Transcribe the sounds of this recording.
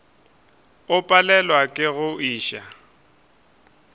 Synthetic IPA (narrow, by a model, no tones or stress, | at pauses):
ʊpʼalɛlwakʼɪɣʊiːʃa